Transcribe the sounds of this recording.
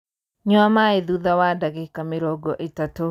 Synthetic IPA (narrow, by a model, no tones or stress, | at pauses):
ɲɔamaeðuðawadaɡekamɪɾɔɡɔʔetato